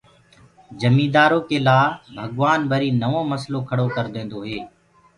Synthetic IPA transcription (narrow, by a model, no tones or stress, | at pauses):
d͡ʒəmiːd̪aːɾoːkeːlaːbʱəɠʋaːnbʱəɾiːnəʋõːməsloːkʰəɽoːkəɾd̪ẽːnd̪oːɦeː